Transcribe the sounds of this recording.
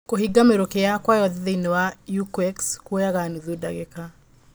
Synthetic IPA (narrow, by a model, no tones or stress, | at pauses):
koɦiɡameɾokejakwajɔðeðeinewajukwɛkskwojaɣanuðoda̰ɣeka